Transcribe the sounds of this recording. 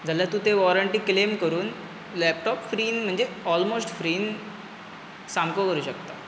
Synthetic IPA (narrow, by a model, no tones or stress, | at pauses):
d͡zʱalat̪ũt̪eʋɔɾəɳʈiːklemkəɾuːn | lɛp̚ʈɔpfɾiːnm̤əɳd͡zeɔlmosʈfɾiːn | samkokəɾuːɕəkt̪a